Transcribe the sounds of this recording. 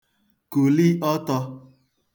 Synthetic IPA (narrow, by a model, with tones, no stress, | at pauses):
ko˨li˦ʔɔ˦tɔ˧